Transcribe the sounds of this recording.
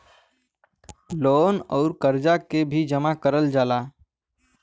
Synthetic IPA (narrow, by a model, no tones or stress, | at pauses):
loːnɔʊɾkəɾd͡ʒakebʱid͡ʒəmakəɾəld͡ʒaːla